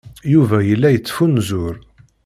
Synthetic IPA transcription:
juvæjəlːæjət͡sːfunzʊɾ

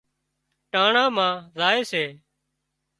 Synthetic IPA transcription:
ʈãːɳãːmãːzaːeːseː

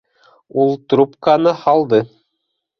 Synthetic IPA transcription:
ulˠt̪ɾupkanɤhɑlˠd̪ɤ

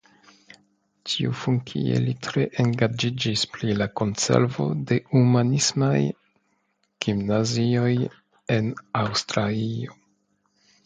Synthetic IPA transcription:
tʰiufunkʰḭḛlitɾe̞ʔeŋɡad͡ʒid͡ʒispɾilako̞nse̞̰ɾvo̞̰de̞umanismaj | ɡ̥imnazio̞j | e̞nawstɾalio

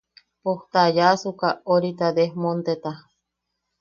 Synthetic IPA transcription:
poht̪ajasukaoɾit̪ad̪ehmont̪et̪a

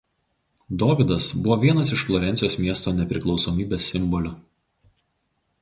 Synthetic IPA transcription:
d̪oːʋʲɪd̪ɐsbʊʋoːʋʲiɛnɐsɪʃflˠɔɾʲɛnʲt̪sʲɪjoːsmʲiɛst̪oːnʲɛpʲɾʲɪklˠɒʊsɔːmʲiːbʲeːsʲːɪmbɔlʲʊ

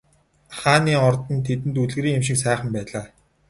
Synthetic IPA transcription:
χaːniːɔrt̪ɞ̆nt̪ʰet̪̬ɘ̆nt̪uɮɣɘ̆ɾiːŋemʃ̬ɪ̆ksæːχə̆mpæːɮaː

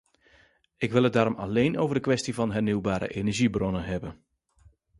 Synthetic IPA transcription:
ɪkʋɪlˠɦət̚daːɾɔmɑ̰lejnʔowvəɹdəkʋɛstivɑnɦɛɹniwbaːɾə̰ʔenɛɹʒibrɔnəɦɛbən

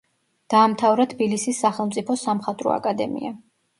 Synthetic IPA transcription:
d̪̥aːmt̪ʰavɾat̪ʰbilisisːaχɛlˠmt̪sʼipʰɔsamχat̪ʼɾɔ̰a̰kʼad̪ɛ̰mḭa

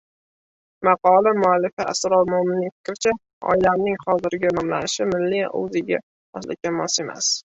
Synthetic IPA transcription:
mɑqɒlamʊalːɪfɪa̰sɾɒlmʊhɪmɪnɪŋfɪ̥kʲɾɪt͡ʃʰa | ɒ̰ɪlamnɪŋχɒzɪɾɡʲanɒmla̰nɪʃɪmɪlːiʔo̰zɪɡʲa̰ | ɒ̰slɪkʲanmɒse̞ma̰s

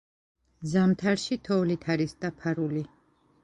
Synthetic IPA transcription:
zamt̪ʰaɾʃit̪ʰɔlit̪ʰaɾisd̪apʰaɾuli

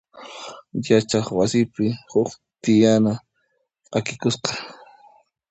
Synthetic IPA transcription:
jat͡ʃaχwasɪpɪhʊk | t̪ɪjana | akɪkʊsqɑ̥

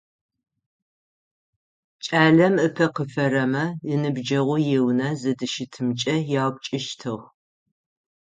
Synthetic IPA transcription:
t͡ʃʼaːɮɐmɨpʰɐqəfɐrɐmɐɨnɨbd͡ʒɐʁʷʊjewnɐzɐdɨʃɪtʰɨmt͡ʃʼɐjaːwp̚t͡ʃʼɪʃtʰɨʁ

